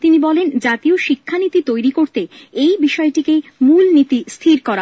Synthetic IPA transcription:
t̪inibɔlend͡ʑat̪ioʃikʰːanit̪it̪ojɾikoɾt̪eejbiʃɔeʈikemulnit̪ist̪ʰiɾkɔɾa

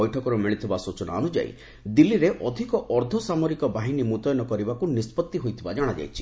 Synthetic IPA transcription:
ɔjʈʰɔkɔɾumiɭit̪ʰibasut͡ʃɔna̰ɔnud͡ʒa̰j̰ | d̪ilːiɾeʔɔd̪ʱikɔʔɔɾd̪ʱɔsamɔɾikɔbaɦinimut̪ɔjɔnɔkɔɾibakunispɔt̪ːiɦojt̪ʰibad͡ʒaɽ̃ad͡ʒa̰jt͡ʃʰi̥

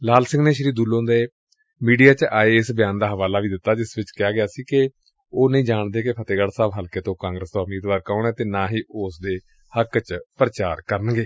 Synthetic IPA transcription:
laːlsɪ̃ŋɡneːʃəɾiːd̪uːlõːnd̪e | miːɖijaːt͡ʃʔaːeːɪsbɪjãːnd̪aːɦəʋaːlaːʋiːd̪ɪt̪ːaːd͡ʒɪsʋɪt͡ʃkɪjaːɡɪaːsiːkɪ | oːnəĩːd͡ʒaːɳd̪eːkɪpʰət̪eːɡəɽsaːbɦəlkeːt̪õːkãːŋɡɾəst̪õːʊmiːd̪ʋaːɾkaːɳɛ̃ːt̪eːnãːɦiːʔʊsd̪eː | həkt͡ʃpɾət͡ʃaːɾkəɾənɡeː

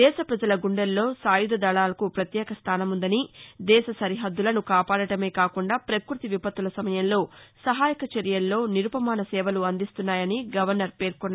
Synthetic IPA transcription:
d̪ɛːʃɐpɾɐd͡ʒɐlɐɡuɳɖɐlːo̞ːsaːjud̪ɐd̪ɐɭaːlɐkupɾɐt̪jɛːkɐst̪ʰaːnɐmund̪ɐnid̪ɛːʃɐsɐɾiɦɐd̪ːulɐnukaːpaːɽɐʈɐme̞ːkaːkuɳɖaːpɾɐkɾut̪iʋipɐt̪ːulɐsɐmɐjɐmlo̞ːsɐɦaːjɐkɐt͡ʃɐɾjɐlːo̞ːniɾupɐmaːnɐsɛːʋɐluɐnd̪ist̪unːaːjɐniɡɐʋɐɾnɐɾpe̞ːɾkonːaː

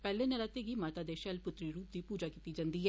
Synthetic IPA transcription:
pɛːlẽːnəlat̪eɡiːmaːt̪aːd̪eːʃɛlpʊt̪ɾiɾuːp̚d̪iːpuːd͡ʒaːkiːt̪iːd͡ʒãːnd̪iːɦɛː

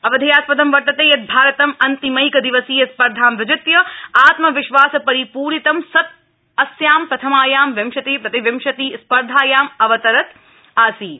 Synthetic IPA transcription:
ɐʋɐd̪ʱɐjaːspɐd̪ɐmʋɐɾt̪ːɐt̪eːjɐt̪̚bʱaːɾɐt̪ɐmɐnt̪imɐjkɐd̪iʋɐsiːjɐspɐɾd̪ʱaːmʋɪd͡ʒɪt̪jɐaːt̪mɐʋɪʃʋaːsɐpɐɾipuːɾit̪ɐmsɐt̪̚ | ɐsjaːmpɾɐt̪ʰɐmaːjaːmʋɐmʃɐt̪eːpɾɐt̪iʋɐmʃɐt̪iːspɐɾd̪ʱaːjaːmɐʋɐt̪ɐɾɐt̪ | aːsiː

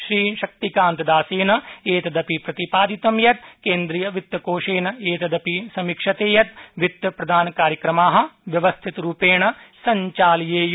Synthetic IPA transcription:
ʃɾiːʃɐk̚t̪ikãːnt̪ɐd̪aːsiːneːt̪ɐd̪ɐpipɾɐt̪ipaːd̪it̪ɐmjɐt̪kẽːnd̪ɾijɐʋɪt̪ːkoːʃeːneːt̪ɐd̪ɐpisɐmikʃɐt̪eːjɐt̪ʋɪt̪ːpɾɐd̪ʱaːnkaːɾjɐkɾɐmaːɦɐ̆ʋjɐʋɐst̪ʰɪt̪ɾuːpeːɳɐsɐ̃ɲt͡ʃaːljeːj

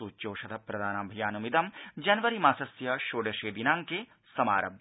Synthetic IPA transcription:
uːt͡ʃoːʃɐd̪ʰɐpɾɐd̪ʱaːnaːbʱɐjaːnumid̪ɐmd͡ʒɐnʋɐɾimaːsɐsjɐʃoːɖɐʃeːd̪inãːŋke | sɐma̰ːɾɐb

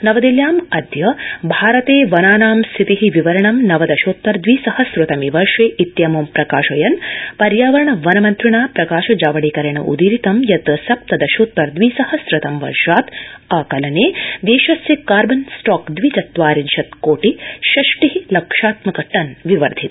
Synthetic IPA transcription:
nɐʋɐd̪iljaːmɐd̪ʱjɐbʱaːɾɐt̪eːʋɐnaːnaːmst̪ʰit̪iɦiʋiʋɐɾɐɳɐmnɐʋɐd̪ɐʃoːt̪ʋɐɾd̪ʋiːsɐhɐsɾɨt̪ɐmiʋɐɾʂeːʔit̪jɐmumpɾɐkaːʃɐjɐnpɐɾjaːʋɐɾɐɳɐʋɐnɐmɐnt̪ɾiɳaːpɾɐkaːʃɐd͡ʒaːʋɐɽiːkɐɾɐɳɐʔṵd̪iɾit̪ɐmjɐt̪ɐsɐp̚t̪ɐd̪ɐʃoːt̪ʋɐɾd̪ʋiːsɐhɐsɾɐt̪ɐmʋɐ̰ɾʂaːt̪ɐkɐlɐneːd̪eːʃɐsjɐkaːɾbɐnsʈɔːkd̪ʋit͡ʃ̪ɐt̪ʋaːɾinʃɐt̪koːʈiʃɐʂʈiɦilɐkʂaːt̪mɐkɐʈɐnʋiʋɐɾd̪ʱit̪

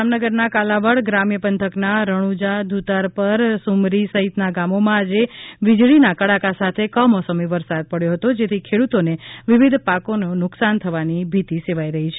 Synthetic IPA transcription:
amnəɡəɾnakalaʋəɭɡɾamjəpənt̪ʰəknaɾəɽ̃ud͡ʒad̪ʱut̪aɾpəɾsumɾisəɦit̪naɡamomãad͡ʒeʋɪd͡ʒɭinakəɽakasat̪ʰekəmɔsəmiʋəɾsad̪̚pəɽjoɦət̪od͡ʒet̪ʰikʰeɽut̪oneʋɪʋɪd̪ʱpakononʊksant̪ʰəʋanibʱit̪iseʋaiɾəɦit͡ʃʰe

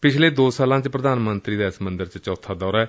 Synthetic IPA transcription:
pɪt͡ʃʰleːd̪oːsaːlãːt͡ʃpɾəd̪aːnmənt̪ɾiːd̪aːɪsəmənd̪əɾt͡ʃt͡ʃɔːt̪ʰaːd̪ɔːɾɛː

